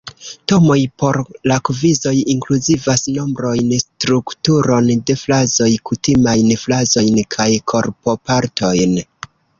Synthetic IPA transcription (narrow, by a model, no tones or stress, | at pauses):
to̞mo̞jpo̞ɾlakvizo̞jiŋkluzivasno̞mbɾo̞jnstɾuktuɾo̞nde̞flazo̞jkutimajnflazo̞jnkʰajkʰo̞ɾpo̞paɾtʰo̞jn